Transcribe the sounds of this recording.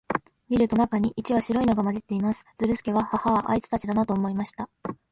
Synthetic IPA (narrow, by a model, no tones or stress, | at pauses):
mʲiɾɯ̟t̪o̞nakaɲ̟iʔit͡ɕiβaɕiɾo̞ino̞ɡamaʑit̪ːe̞imasɨ̥d͡zɨɾɯ̟sɨ̥ke̞βahahaaʔa̰it͡sɨ̥t̪at͡ɕid̪anat̪o̞ːmo̞imaɕi̥t̪a